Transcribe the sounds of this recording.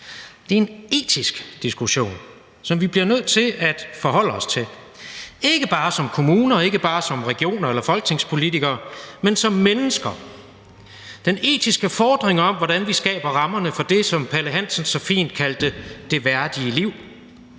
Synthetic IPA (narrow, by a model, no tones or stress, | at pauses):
d̥e̝ɐe̝ne̝̰ːt͡sʰisɡ̥d̥isɡ̥uɕo̝̰ːn | sɒ̽mʋib̥liɐnøð̞̰ˠt͡sʰe̝ʔæd̥fɒ̽ɦɒ̽l̰əɒ̽st͡sʰe̝l | e̝ɡ̥əb̥ɑ̈ːsɒ̽mkʰo̝muːnɐɒ̽e̝ɡ̥əb̥ɑ̈ːsɒ̽mʁɛɡ̥io̝̰ːnɐelɐfɒ̽lɡ̥t͡sʰe̝ŋspʰo̝lit͡sʰiɡ̥ɐːmensɒ̽mːenəsɡ̥ɐ | d̥ene̝̰ːd̥ʰisɡ̥əfɒːd̥ʁeŋɒ̽mʋɒɾ̥ænʋisɡ̥ɛ̰ːb̥ɐʁɑ̈mɐnəfɒ̽d̥e̝sɒ̽mpʰæləɦæn̰sənsɒ̽fḭːnd̥̚kʰæld̥əd̥e̝ʋæɐd̥iəliʊ̰